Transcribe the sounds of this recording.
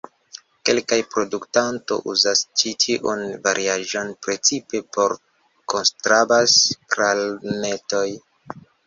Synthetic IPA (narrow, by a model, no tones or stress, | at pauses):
ke̞lkajpɾo̞duktanto̞̰ʔṵzast͡ʃitʰiʔunvaɾʔiaʒo̞npɾe̞t͡sipe̞po̞ɾ | ko̞nstɾabaskɾalne̞to̞j